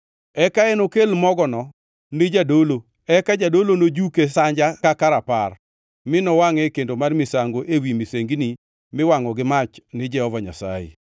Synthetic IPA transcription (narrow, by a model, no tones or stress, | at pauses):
ɛkaenokelmɔɡɔnɔ | nɪd͡ʒadolo | ɛkad͡ʒadolonod͡ʒukesaɲd͡ʒakakaɾapar | mɪnɔwaŋɛkendomarmɪsaŋɡoʔewimɪseŋɡini | mɪwaŋɔɡɪmat͡ʃnɪd͡ʒɛhɔvaɲa̰sa̰jḛ